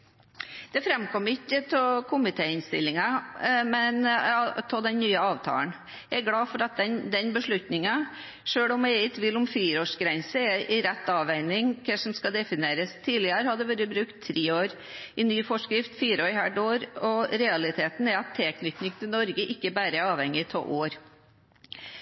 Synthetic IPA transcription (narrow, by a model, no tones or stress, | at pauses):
d̪̥ɛfɾɛmkʰɔmɪkːət̪ʰɔkʰʊmɪt̪ʰeːɪnst̪ɪ̰lːɪŋɑmɛnt̪ʰɔd̪ɛnnyːəɑːʋt̪ʰɑ̰ːən | jæɪæɾɡɽɑːfɔɾɑt̪̚d̪ɛnd̪ɛnbəʂɭʉt̪nɪŋɑ | ʂøːɭʊmæɪt̪ʰʋiːlʊmfiːɾəoːʂɡɾɛnsəɛʔɪɾɛt̪ːɑːʋæɪnɪŋkʰəʂɔmskɑd̪ɛfɪneːɾəst̪ʰiːlɪəɾəhɑd̪ɛʋɛɾəbɾʉkt̪ʰːɾeːoːɾ | ɪnyːfɔʂkɾɪft̪fiːɾɔʏhæɖoːɾɔɾɛɑlɪt̪ʰeːt̪n̩ɛɾɑt̪ʰːɛːknʏt̪nɪŋt̪ʰɪlnɔɾɡəʔɪkːəbæːɾəɑːʋhɛŋɪt̪ʰɔʔoːɾ